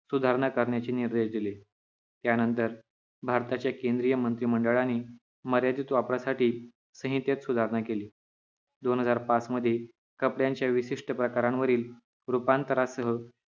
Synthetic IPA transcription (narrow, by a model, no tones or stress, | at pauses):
sud̪ʱaɾɳakəɾɳjat͡ɕiːniɾd̪eʂd̪ile | t̪janənt̪əɾ | bʱaɾt̪at͡ɕjakẽnd̪ɾijəmənt̪ɾiːməɳɖəɭaniː | məɾjad̪iːt̪ʋapɾasaʈiː | sə̃ɦit̪jet̪sud̪ʱaɾɳakeliː | d̪onɦəd͡zaɾpat͡sməd̪ʱːje | kəpɽjaɲt͡ɕjaʋiɕiʂʈəpɾəkaɾãnʋəɾiːl | ɾupant̪əɾasəɦə